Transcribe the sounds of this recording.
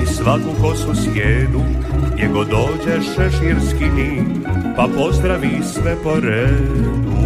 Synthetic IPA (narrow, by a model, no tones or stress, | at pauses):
isʋakukosuskjeːnujɛɡod̪oːd͡ʑɛʃɛʃiɾskid̪iːn | papo̞zd̪ɾaʋisʋɛpoɾɛ